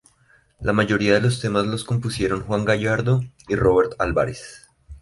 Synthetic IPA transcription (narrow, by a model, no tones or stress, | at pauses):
lamaʝo̞ɾiaðe̞lo̞st̪e̞mazlo̞sko̞mpusje̞ɾo̞ŋxwaŋɡaʝaɾd̪o̞ | iro̞βe̞ɾt̪albaɾes